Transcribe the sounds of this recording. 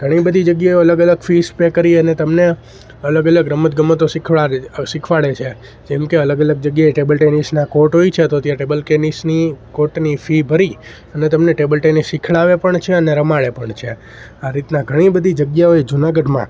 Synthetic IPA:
ɡ̥ʱəɽ̃ibəd̪ʱid͡ʒəɡjaoələɡələɡfispekəɾiənet̪əmne | ələɡələɡɾəmːət̪̚ɡəmːət̪osikʰʋaɾsikʰʋaɭet͡ʃʰe | d͡ʒɛmkeələɡələɡ̚d͡ʒəɡjaeʈebəlʈenisnakoʈɦoit͡ʃʰet̪ot̪jãʈebəlkenisnikoʈnifibʱəɾi | ənet̪əmneʈebəlʈenisːikʰɭaʋepəɳt͡ʃʰeəneɾəmaɭepəɳt͡ʃʰe | aɾit̪naɡʱəɽ̃ibəd̪ʱid͡ʒəɡjaoed͡ʒunaɡəɖmã̰

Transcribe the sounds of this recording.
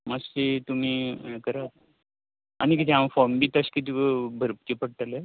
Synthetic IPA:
mastit̪um̤iːkəɾat̪ | anikit̪ʰiamfɔɾmbiːt̪əɕkit̪ibʱəɾp̚t͡ɕipəɽ̚ʈ̪ale

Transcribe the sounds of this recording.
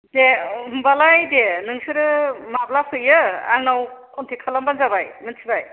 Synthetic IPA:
dembalajdenɯŋsɯɾɯmablapʰɯjɯa̰ŋnawkʰɔntʰekʰalambanzabajmɯnsʰibaj

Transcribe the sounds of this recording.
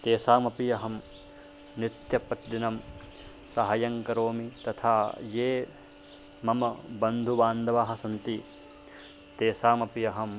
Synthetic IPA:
t̪eːsaːmɐpijɐɦɐm | nit̪jɐpɐt̪dinɐm | sɐɦɐjɐŋkɐɾoːmit̪ɐt̪ʰaːjeː | mɐmɐbɐnd̪ʱubaːnd̪ʱɐʋaːɦɐ̆sɐnt̪i | t̪eːsaːmɐpijɐɦɐm

